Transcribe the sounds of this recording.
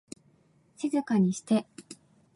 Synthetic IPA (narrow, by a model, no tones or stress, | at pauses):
ɕizɨkaɲ̟iɕi̥t̪e̞